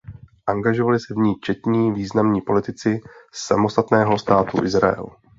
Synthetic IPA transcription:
ʔaŋɡaʒo̞valɪsɛvɲiːt͡ʃɛt̪ɲiːviːznamɲiːpo̞lɪt̪ɪt͡sɪsa̰mo̞st̪at̪nɛːɦost̪aːt̪ṵʔɪzɾa̰jɛ̰l

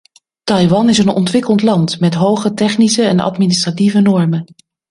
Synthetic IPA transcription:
tɑjʋɑnɪsənɔ̰ntʋɪkəlˠtlɑntmɛtɦowχətɛχnisəɛnɑ̰tministrativənɔɹmən

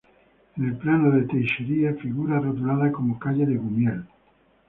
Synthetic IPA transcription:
enelplanoðet̪ejʃeɾiafiɣuɾarot̪ulaðakomokaʎeðeɣumjel

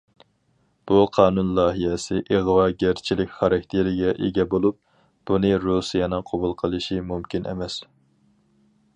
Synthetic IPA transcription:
b̥uqʰɑːnunlˠɑːɦijɛsɪʔeʁwɑːɡʲeɾt͡ʃʰilɪkʲχɑɾɑk̚ʲt̪ʰeɾɪɡʲɛʔeɡʲɛbolˠup̚ | b̥unɨɾusijɑnɨŋqʰobulˠqʰəlˠɨʃimumkʲinʔḛmɛs

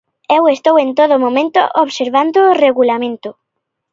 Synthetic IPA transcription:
ewest̪owent̪oðʊmõmẽnt̪o̰ʔoβseɾβand̪oreɣulamẽnt̪ʊ

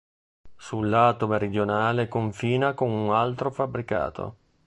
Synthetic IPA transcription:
sulːaːt̪omeɾid̪jonaːlekoɱfiːnakonunalt̪ɾofabɾika̰ːt̪ʰo̰

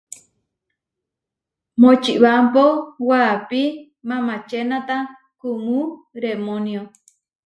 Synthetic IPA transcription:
mot͡ʃiʔβampowapi | mãmãt͡ʃenãt̪a | kumuɾemonjo

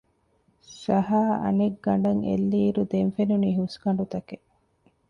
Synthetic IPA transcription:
sɐɦaːʔɐ̰neɡːɐɳɖɐŋḛlːiːɾud̪enfenuniɦusɡɐɳɖut̪ɐke

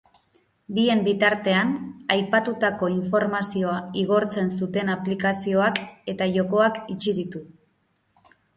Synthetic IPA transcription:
bie̞mbit̪aɾt̪e̞anajpat̪ut̪ako̞iɱfo̞ɾmasio̞aiɣ̞o̞ɾt͡se̞nsut̪e̞naplikasio̞ake̞t̪aʝo̞ko̞akit͡ʃiðit̪u

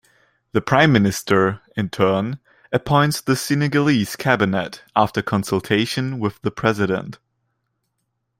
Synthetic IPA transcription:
ðɨpʰɹ̥ãɪ̃mːɪnɨstə˞ɨ̃ntʰɜ˞n | ɨpʰɔ̃ɪ̃ntsðɨsɪnɪɡəliz̥kʰæbɨnɨɾæftə˞kʰə̃nsəlˠtʰeɪʃɨ̃nwɪðəpʰɹ̥ɛzɨɾə̰̃nt

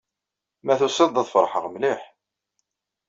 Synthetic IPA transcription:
mæθusəd̪ˤɑðˤfəɾˤħəʁmliħ

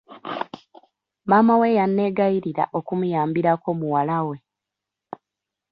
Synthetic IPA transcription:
maːmawe̞janːe̞ɡaiɾiɾa̰ʔo̞kumujaːmbiɾako̞muwalawe̞

